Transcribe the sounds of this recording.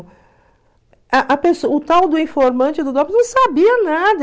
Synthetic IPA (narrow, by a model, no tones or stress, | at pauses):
ɐʔɐpesoʊt̪awd̪ʊĩfoɾmɐ̃t͡ʃɪd̪ʊd̪ɔpnɐ̃w̃sabiɐnad̪